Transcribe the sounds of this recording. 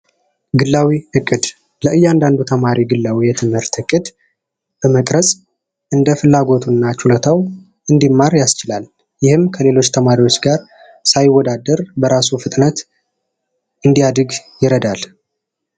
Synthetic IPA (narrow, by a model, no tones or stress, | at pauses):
ɡɨlːawihɨkʼːɨd̪ | ləʔɨjːand̪and̪ut̪ʰəmaɾiɡɨlːawijɛt̪ʰɨmhɨɾt̪hɨkʼɨd̪ | b̥əməkʼɾəsʼ | ʔɨnd̪əfɨlːaɡo̞t̪ʰunːat͡ʃulət̪ʰaw | ʔɨnd̪imːaɾjast͡ʃɪlal | jɪhɨmkʰəle̞lo̞t͡ʃːt̪ʰəmaɾiwo̞t͡ʃːɡaɾ | sajwːɔd̪ad̪ːəɾbəɾasufɨt̪ʼnət̪ | ʔɨnd̪iad̪ɨɡjɪɾəd̪al